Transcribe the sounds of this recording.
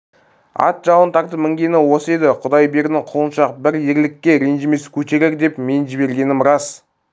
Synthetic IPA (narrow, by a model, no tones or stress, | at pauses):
ɑ̰t̪ʒɑwənt̪ʰɑɾt̪əmɪŋɡʲe̞nɪwo̞səe̞d̪ɪqʰʊd̪ɑjbe̞ɾɪd̪ɪŋqʰʊlˠənʃɑqbɪɾje̞ɾlɪkʲːe̞ɾenʒɪme̞skʲʰɵt̪eɾeɾd̪e̞pme̞nʒɪbe̞ɾɡʲe̞nɪmɾɑs